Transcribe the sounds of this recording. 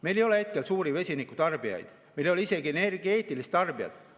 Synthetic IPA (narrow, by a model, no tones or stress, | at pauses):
me̞jlejo̞lee̞t̪̚ke̞lsuːɾive̞sʲinikːut̪ɑrb̥iɑ̰jd̪̥ | mejljolise̞ɡienerɡie̞ːt̪ːˑilist̪ɑrbiɑ̰d̪̥